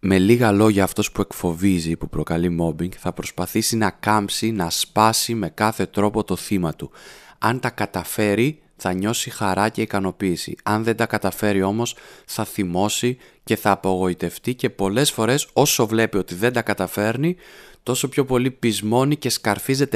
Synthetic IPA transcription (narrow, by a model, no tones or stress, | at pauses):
me̞liɣɐlo̞ʝɐːft̪o̞spue̞kfo̞vizipupɾo̞kɐlimo̞biŋθɐpɾo̞spɐθisinɐkɐmpsinɐspɐsime̞kɐθe̞t̪ɾo̞po̞t̪o̞θimɐt̪uɐnt̪ɐkɐt̪ɐfe̞ɾi | θɐɲo̞sixɐɾɐce̞ikɐno̞piːsḭɐnðe̞nd̪ɐkɐt̪ɐfe̞ɾio̞mo̞sθɐθimo̞si | ce̞θɐːpɐɣo̞it̪e̞ft̪ice̞po̞le̞sfo̞ɾe̞so̞so̞vle̞pio̞t̪iðe̞nd̪ɐkɐt̪ɐfe̞ɾnit̪o̞so̞pço̞po̞lipizmo̞nice̞skɐɾfize̞t̪e